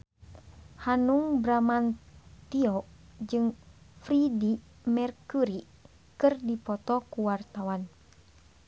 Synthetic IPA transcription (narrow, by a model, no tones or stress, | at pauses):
hanuŋbɾamant̪iɔd͡ʒɨŋfɾidi | mɛrkuɾi | kɨrdipɔt̪ɔkuwart̪awan